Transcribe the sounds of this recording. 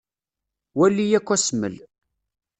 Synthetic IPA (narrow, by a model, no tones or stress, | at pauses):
wælːijækʷːæsmə̰l